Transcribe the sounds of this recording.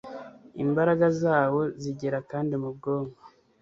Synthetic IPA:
imbaɾaɡazaːwo̞ziɟe̞ɾakaːndimub̚ɡoːŋɡo

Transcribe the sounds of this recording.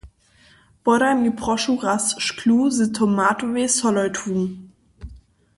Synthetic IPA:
b̥ɔɾamipʁɔʃuʁasʃkʰluːzɨtʰɔmaːtovesɔlɔʏtʰun

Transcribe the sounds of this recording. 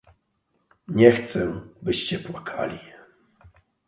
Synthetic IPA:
ɲɛxt̪sɛbɘɕt͡ɕɛpwakʰa̰lʲi

